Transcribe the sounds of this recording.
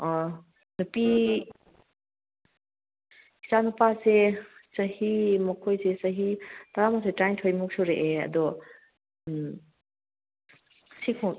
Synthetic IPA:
nupi | i̥sanupasesɐhimɐkʰojsesɐɦit̪aɾamasejtɾajntʰɔjmuk̚sʰɔɾeʔeɐ̰d̪ɔ | sikʰɔ

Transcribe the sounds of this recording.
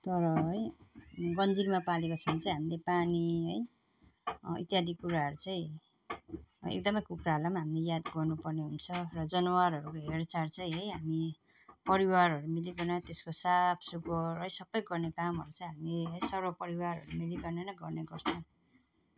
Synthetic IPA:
t̪ʌɾʌɦʌjɡʌnd͡zilmapalekot͡sʰʌnt͡saĩɦamilepaniɦʌj | ḭt̪jad̪ʱikuɾaɦʌɾut͡saj̃ | ḛk̚d̪ʌmʌjkukɾaɦlamaɦamlejad̪ɡʌrnupʌrneɦunt͡sʰʌrʌd͡zʌnʌwaɾɦʌɾukoɦert͡sart͡sʌj̃ɦʌjɦami | pʌɾiwaɾɦʌɾumiliɡʌrnʌt̪eskosapʰsuɡʌrʌjsʌbːʌjɡʌrnekamɦʌɾut͡sʌj̃ɦamleɦʌjsʌɾʌpʌɾiwaɾʌ̰ɾumiliɡʌrnenʌɡʌrneɡʌrt͡sʰʌ

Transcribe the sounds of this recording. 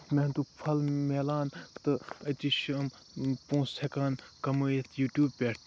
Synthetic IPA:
mẽnt̪ukpʰɐlmeːlaːnt̪ɨɐt̪iʃɐm | pũːsʰekaːnkɐmɨːjet̪ʰjuːʈjuːbpʲeʈ

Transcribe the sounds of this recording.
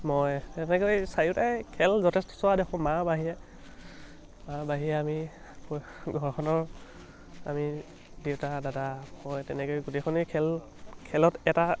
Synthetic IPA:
mɔjtɛnɛkojsajutajkʰɛlzɔtʰɛstɔ̥sʊwadexʰɔ̃mabaɦijɛ | mabaɦijɛami | ɡʱɔɹkʰɔnɔɹ | a̰mi | dewtadadahɔjtɛnɛkojɡutexʰɔnikʰɛl | kʰɛlɔtɛta

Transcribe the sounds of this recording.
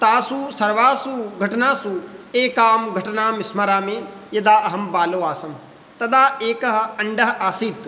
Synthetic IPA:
t̪aːsusɐɾʋaːsuɡʱɐʈɐnaːsueːkaːmɡʱɐʈɐnaːmismɐɾaːmeːjɐd̪aːɐɦɐmbaːloːʋaːsɐm | t̪ɐd̪aːeːkɐɦɐ̆ɐɳɖɐɦɐʔaːsiːt̪

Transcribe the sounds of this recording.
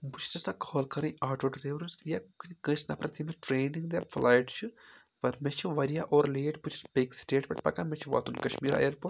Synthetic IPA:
but͡ʃʰt̪ɐsakʰɔːlkɐɾɐ̃jaːʈoːɖɾeːʋɾɐsjakɨnʲkəsnɐ̰pɾɐt̪ʰimeʈɾeːniŋɡd̪ʲafʰlaːjʈt͡ʃʰu | pɐɾmet͡ʃʰiʋɐɾijaːʔoːɾleːʈbut͡ʃʰi̥spʲeksʈeːʈpɐʈpɐ̰kaːmet͡ʃʰiʋa̰ːt̪ʰunkɐʃmiːɾa̰ːjɐɾpun

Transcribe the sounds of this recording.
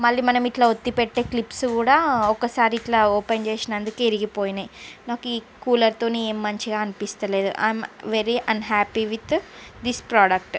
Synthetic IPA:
mɐɭːimɐnɐmiʈlaːot̪ːipeʈːe̞ːklipskuːɽaːɔkːɐsaːɾiːʈlaoːpent͡ʃe̞ːsinɐnd̪ukeiɾiɡipoːjinajnaːkuiː | kuːlɐɾt̪o̞ːnieːmːɐɲt͡ʃiɡaːɐnipist̪ɐle̞ːd̪ṵʔa̰jmʋeɾiʔɐnɦaːpiʋit̪d̪ispɾaːɖɐk̚ʈ

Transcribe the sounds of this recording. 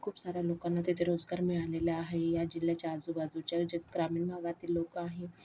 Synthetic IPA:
kʰuːpsaɾalokanːat̪et̪ʰeɾod͡zɡaɾmiɭaleljaaɦejad͡ʑiljat͡ɕaːd͡zubad͡zut͡ɕad͡ʑɡɾamiːnbʱaɡat̪iːlːokaɦe

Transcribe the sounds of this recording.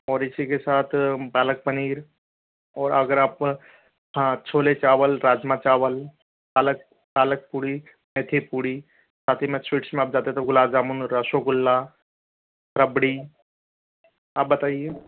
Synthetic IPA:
ɔːɾɪsikesaːt̪ʰbaːlək̚pəniːɾ | ɔːɾɐɡəɾaːp | ãt͡ʃʰoːlet͡ʃaːʋəlɾaːd͡ʒmat͡ʃaːʋəl | paːlək̚ | paːlək̚puːɽi | meːt̪ʰipuːɽi | saːt̪ʰimẽsʋiːʈsmẽaːp̚d͡ʒaːt̪et̪oɡʊlaːzaːmunɾəʃoɡʊlːa | ɾəbɽi | aːp̚bɐt̪aːieː

